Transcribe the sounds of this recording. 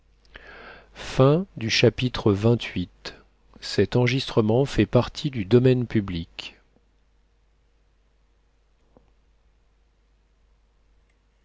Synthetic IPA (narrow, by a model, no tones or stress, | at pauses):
fɛ̃d̪yʃapit̪χəvɛ̃t̪ʰɥit̪ | sɛt̪ɑ̃ʁʒist̪χəmɑ̃fɛpaʁt̪ʰid̪yd̪ɔmɛnpyblikʲ